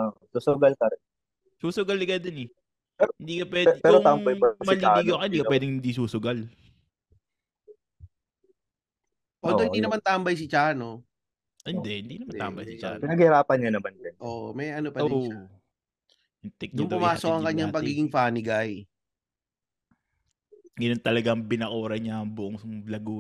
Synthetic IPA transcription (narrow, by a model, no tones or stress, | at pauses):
oʔsusʊɡɐlkɐɾɛ | suːsʊɡɐlːɪɡɐd̪onɛ | hɪnd̪iːkɐpwɛdpɛːɾot̪ambɐjɐmɐliɡokɐhɪnd̪iːkɐwɛːd̪ɪŋhɪnd̪is̬uːsʊɡɐl | ʔod̪ohɪnd̪inɐmant̪aːmbɐjs̬ɪt͡ʃaːno | hɪnd̪ɛʔhɪnd̪iːnɐmant̪a̰ːmbɐjsɪt͡ʃa̰ːnpɪnɐɡhɪɾaːpɐnɲɐnɐmand͡ʒɐnʔoːʔmɛjʔɐnopɐdoa | ʔɪnt̪ɛk̚nʊŋd̪ʊmaːsokɐŋkɐɲːaŋpɐɡiːɡɪŋfaːnɪɡaj | ɡɐnont̪ɐlɐɡaŋbɪnɐkoːɾɐɲɐɐŋbʊʔoŋlɐɡuː